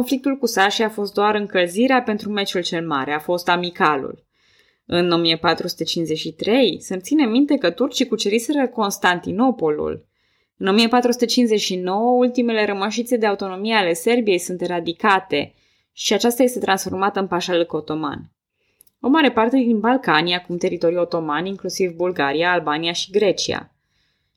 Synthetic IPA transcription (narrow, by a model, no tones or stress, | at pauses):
konflik̚t̪ulkusaʃiafo̞st̪̚d̪oaɾɨŋkəlziɾeape̞nt̪ɾume̞t͡ʃult͡ʃe̞lma̰ɾe̞afo̞st̪amikalṵl | ɨno̞miəpat̪ɾusu̥t̪et͡ʃinzet͡ʃʃit̪ɾe̞jsɨnt̪sinemint̪e̞kət̪urt͡ʃikut͡ʃeɾiseɾəko̞nst̪ant̪ino̞po̞lṵl | ɨno̞miəpat̪ɾusu̥t̪et͡ʃinze̞t͡ʃʃino̞wəult̪ime̞le̞ɾəməʃ̬it̪sed̪e̞aut̪o̞no̞mieale̞se̞rbije̞jsunt̪e̞ɾad̪ikat̪e̞ | ʃiat͡ʃast̪aje̞st̪e̞t̪ɾansfo̞rmat̪əɨnpaʃalɨko̞t̪o̞ma̰n | o̞maɾe̞part̪e̞d̪inbalkanijakumt̪e̞ɾit̪o̞ɾujo̞t̪o̞maniŋklusivbulɡaɾiaːlbanijaʃiɡɾe̞t͡ʃia̰